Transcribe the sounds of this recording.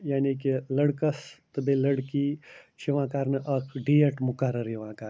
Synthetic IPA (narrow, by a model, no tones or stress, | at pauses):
jaːnikilɐɽkɐst̪ɨbeːlɐɽkit͡ʃʰiʋãːkaːɾnɨʔɐkʰɖiːɐʈmʊkɐɾɐɾiʋãːkaː